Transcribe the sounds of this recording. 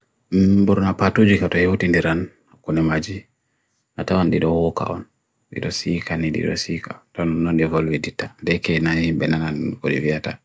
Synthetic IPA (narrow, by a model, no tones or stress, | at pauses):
mbuɾnapatud͡ʒikatɔhewutindiɾan | kunɛmad͡ʒi | natawanɗiɗɔwɔka̰ʔɔ̰n | ɗḭɗɔsikanidḭɗɔ̰sika̰tɔnːɔnɗivolwɛditːandɛkɛnahimbɛnanankoɗivijata